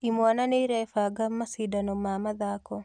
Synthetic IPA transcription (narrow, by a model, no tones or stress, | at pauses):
imwananeɾɛfaɡamːasidanɔmamaðakɔ